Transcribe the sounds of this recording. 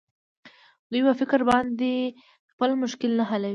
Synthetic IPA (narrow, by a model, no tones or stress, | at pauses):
d̪ujpəfɪkɾbɑnd̪e | xpəlmʊʃkɪlnaɦalawi